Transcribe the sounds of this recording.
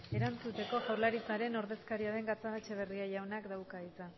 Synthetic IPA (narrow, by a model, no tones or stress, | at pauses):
e̞ɾant͡sut̪e̞ko̞ʝawɾlaɾit͡saɾe̞no̞ɾðe̞skaɾiaðe̞ŋɡat͡saɣat͡ʃe̞β̞e̞riaʝawnakd̪awkait͡sa